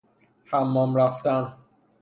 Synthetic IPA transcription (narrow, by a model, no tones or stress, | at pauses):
hæmːɒmɾæft̪æn